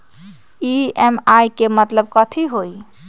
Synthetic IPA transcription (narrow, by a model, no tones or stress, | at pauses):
iemajkemət̪ləb̚kət̪ʰiɦoj